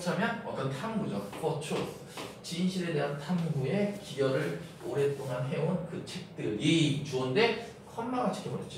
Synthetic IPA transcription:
t͡ɕʰamjʌnʌt͈ʌntʰaŋɡud͡ʑok͈ʌt͡ɕʰo | t͡ɕinɕʰiɾe̞de̞ɦantʰaŋɡue̞kijʌɾɯɾ | oɾe̞t͈oŋanɦe̞onkɯt͡ɕʰek̚t͈ɯɭjeit͡ɕuʌnde̞ | kʰʌnmaɡat͡ɕʰɯ̥kʰemʌɾet̚t͡ɕ͈i

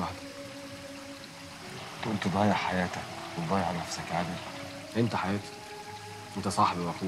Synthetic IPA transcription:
aħd̪æ | t̪ʔult̪od̪ˤɑːjeʕħajæːt̪ækwed̪ˤɑːjeʕnæfsækʕad̪ɪl | ʔent̪æħajæːt̪æ̥ | ʔent̪æsˤɑħbiwæfuː

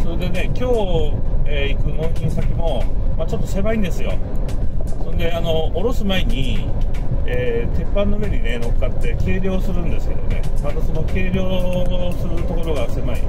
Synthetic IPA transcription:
so̞ɾe̞d̪e̞ne̞kʲo̞ː | eːikɯ̟no̞ːkʲinosakʲimo̞mat͡ɕo̞t̪ːose̞maĩnd̪e̞sɨjo̞̰ | sõ̞nd̪e̞ano̞ːɾo̞sɨmaeɲ̟i | eːt̪e̞pːãnːoɯβe̞ɲ̟ine̞no̞kkːat̪ːe̞ke̞ːɾʲo̞ːsɨɾɯ̟̃nd̪e̞sɨ̥ke̞d̪o̞ne̞̰mad̪oso̞no̞ke̞ːɾʲo̞ːsɨɾɯ̟t̪o̞ko̞ɾo̞ɡase̞maḭ

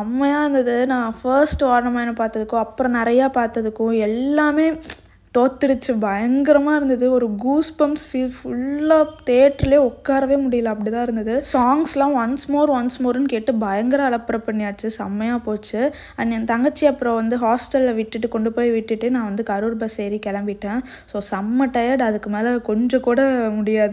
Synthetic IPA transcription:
ɐmːɐjaːɪɾɯnd̪ɐðɯnãːfɐɾsʈaːɾnɐmaːɪnɐpaːɾt̪ɐðɯkːʊ̃ɐpːɯɾɔ̃nɪɾɐjaːpaːɾt̪ːɐðɯkːʊ̃ɛlːaːmeː | ʈoːt̪ːɪɽɯt͡ʃːɯbɐjɐŋɡɪɾɐmaːɪɾɯnd̪ɐðɯɔɾɯɡuːspɐmsfiːlfʊɭːaːt̪eːʈɾɪleːɔkːaːɾɐʋeːmʊɽɪjɐlãɐpːɐɽit̪ãːɪɾɯnd̪ɐðɯsaːŋɡslãːʋɐnsmoːɾʋɐnsmoːɾɯnkeːʈːɯbɐjɐŋɡɐɾɐːɭɐpːɐɾɐpːɐɳːɪjaːt͡ʃːɯsɐmːɐjaːpoːt͡ʃːɯ | ɐnːent̪ɐŋɡɐt͡ʃːiɐpːɯɾɔ̃ʋɐnd̪ɯɦaːsʈɐlʋɪʈːɯʈːɯkɔɳɖɯpoːjʋɪʈːɯʈːɯnãːʋɐnd̪ɯkɐɾɯɾbɐsɛjɾikɛlɐmbɪʈːẽː | soːsɐmːɐʈːɐjɐɖɐðɯkːɯmeːlɐkɔɲd͡ʒɐ̃kuːɽɐmʊɽɪjaːðɯ

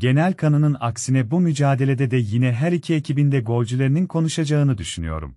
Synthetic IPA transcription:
ɟe̞nælʲkʰanɯnɯna̰ksinɛbumyd͡ʒaːd̪e̞lʲed̪ɛd̪ɛjinɛɦæɾicʰiecʰibind̪ɛɡo̞lʲd͡ʒylʲˠe̞ɾininkʰo̞nuʃad͡ʒaɯnɯd̪yʃyny̰jo̞̰ɾṵm

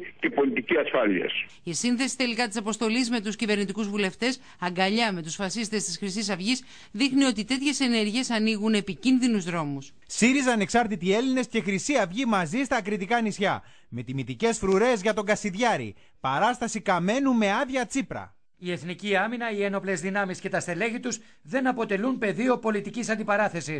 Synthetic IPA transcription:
ce̞po̞lit̪iciɐsfɐlḭɐ̰s | isinθe̞si̥t̪e̞likɐt̪isɐpo̞st̪o̞lizme̞t̪uscive̞ɾnit̪ikuzvule̞ft̪e̞s | ɐŋɡɐʎɐme̞t̪usfɐsist̪e̞st̪isxɾisis̬ɐvʝis | ðixnio̞t̪it̪e̞t̪çe̞se̞ne̞ɾʝie̞sɐniɣune̞picinðinuzðɾo̞mus | siɾizeːne̞ksɐɾt̪it̪ie̞line̞sce̞xɾisiɐvʝimɐzist̪ɐːkɾit̪ikɐnisçɐ | me̞t̪imit̪ice̞sfɾuɾe̞zʝɐt̪o̞ŋɡɐsiðʝɐɾḭ | pɐɾɐst̪ɐsikɐme̞nume̞ɐðʝɐt͡sipɾɐ̰ | ie̞θniciɐminɐieno̞plezðinɐmisce̞t̪ɐst̪e̞le̞ʝit̪us | ðe̞nɐpo̞t̪e̞lunpe̞ðio̞po̞lit̪icisɐnd̪ipɐɾɐθe̞si

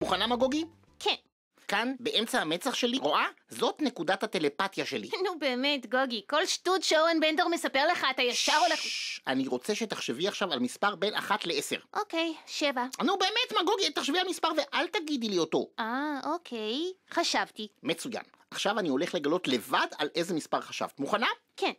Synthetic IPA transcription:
muχanamaɡoɡi | kʰen | kanbe̞ʔemt͡sahame̞t͡saχʃe̞liʁoʔazo̞tne̞kudathate̞le̞patjaʃe̞lḭnubeːmetɡoɡiko̞lʃtutʃeoʁenbendoʁmesapeʁleχat̪ajeʃavoleχʔaniʁo̞t͡se̞ʃe̞taχʃeviaχʃavalmispaʁbe̞nʔa̰χatleʔese̞̰ʁʔokejʃevanube̞ːmetmaɡo̞ɡit̪ːaχʃevialmispaʁve̞ʔalt̪aɡid̪ilio̞to̞ʔaokʰejχaʃavtime̞t͡suja̰n | ʔaχʃavanio̞leχle̞ɡalo̞tle̞vada̰lʔe̞zemispaʁχaʃa̰vt̪muχana | ken

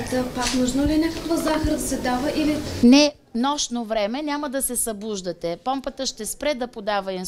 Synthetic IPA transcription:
t̪əpaknuʒnolinʲakəkvəzaxəɾəd̪ɐsɛd̪avəʔilinɛ | nɔʃnovɾɛmɛnʲaməd̪ɐsɛsɐbˠuʒd̪ət̪ɛpɔmpət̪əʃt̪ɛspɾɛd̪ɐpod̪avəin

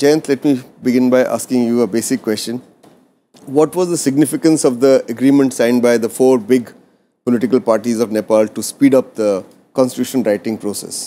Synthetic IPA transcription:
t͡ʃãːnslɛʈmibɪɡɪ̃nbaɪʔa̰ːskɪ̃ŋjuəbeːsɪkːwɛsʈə̃n | ʋɔʈʋɔzd̪əsɪɡnɪfɪkə̃nsɔʋd̪əɐɡɾĩːmə̃ɳʈsãɪ̃nɖbaɪd̪əfoːɾbɪɡ | pɔlɪʈɪkəlpaːɾʈizɔʋnepaːlʈuspiːɖʌp̚d̪ə | kɔ̃nsʈɪtuʃə̃nɾaɪʈɪ̃ŋɡpɾoːsɛ̰s

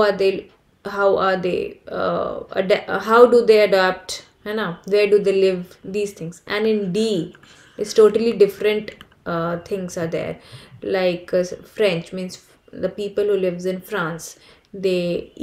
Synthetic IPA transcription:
aːd̪eː | ɦaʊʔaːɾd̪ḛː | ə̰ɖɦaʊɖud̪eːəɖap̚ʈ | hɛnaʋeːɾɖud̪eːlɪʋd̪iːz̥t̪ʰɪ̃ŋsɛ̰̃nɪ̃nɖiː | ɪsʈoːʈəliɖɪfɾə̃ɳʈ | t̪ʰɪ̃ŋsaːɾd̪ɛ̰ːɾlaɪkfɾɛ̃nt͡ʃmĩːns | d̪əpiːpəlɦuːlɪʋzɪ̃nfɾãːns | d̪eː

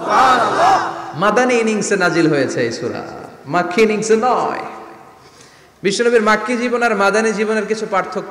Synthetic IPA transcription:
mad̪ʱaniiniŋsenad͡ʑilɦojet͡ɕʰejsʰuɾa̰makʰːiiniŋsenɔe | biʃːonobiɾmakʰːid͡ʑibonaɾmad̪ʱanid͡ʑiboneɾkit͡ɕʰupaɾt̪ʰːok

